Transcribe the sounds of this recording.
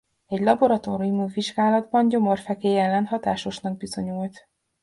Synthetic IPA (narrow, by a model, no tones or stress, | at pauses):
ɛɟlɒbo̞ɾɒt̪oːɾumuːviʒɡaːlɒd̪bɒɲɟo̞mo̞rfɛkeːɛlːɛnɦɒt̪aːʃo̞ʃnɒɡ̚bizo̞ɲult̪